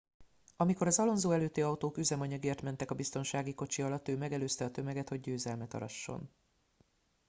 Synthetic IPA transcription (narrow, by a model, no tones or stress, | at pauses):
ɒmiko̞ɾɒzɒlo̞nzoːɛløːt̪ːeːɒwt̪oːkyzɛmɒɲɒɡeːrt̪mɛnt̪ɛkɒbist̪o̞nʃaːɡiko̞t͡ʃiɒlɒt̪ːøːmɛɡɛløːst̪ɛɒt̪ømɛɡɛt̪hoɟɟøːzɛlmɛt̪ɒ̰ɾɒ̰ʃːo̞̰n